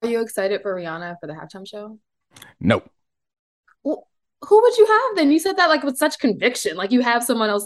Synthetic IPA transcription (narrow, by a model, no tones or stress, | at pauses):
jɨːksaɪɾɨd̥fə˞ɹiɑnɨfə˞ðɨhæ̰ftʰãɪ̃mʃoʊ | noʊ | wɛ | huwəd͡ʒɨəvðɨ̃njɨsɛd̪̚ðɨt̚laɪk̚wɨð̥sʌt͡ʃkʰɨ̃ɱvɪkʃɨ̃nlaɪkjɨɨv̥sʌ̃mwʌ̃ñɛlˠs